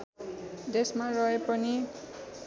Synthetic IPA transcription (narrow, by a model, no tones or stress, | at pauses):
d̪esmarʌepʌni